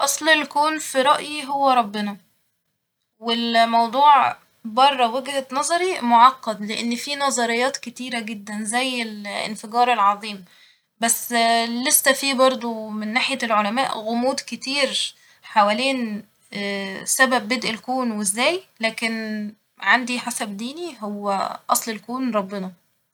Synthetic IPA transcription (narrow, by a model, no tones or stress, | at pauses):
ʔɑsˤlelkoːnfiɾˤɑʔjiɦowːæɾˤɑbːenɑ | welmɑwd̪ˤuːʕ | bɑrˤːɑweɡd̪æt̪nɑzˤɑɾimoʕɑqːɑd̪leʔenːfiːnɑzˤɑɾejːɑːt̪ket̪iːɾæɡed̪ːænzæjːelḛnfeɡɑːɾˤelʕɑðˤiːm | bæsːlesːæfiːbɑɾˤd̪ˤomenːaːħejælʕolæmæ̰ːʔɣomuːd̪ket̪iːɾ | ħawæleːnː | sæbæbːed̪ʔelkoːnwezːæːjlæːken | ʕand̪iħasæbd̪iːniɦowːæ̰ʔɑsˤlelkoːnɾˤɑbːenɑ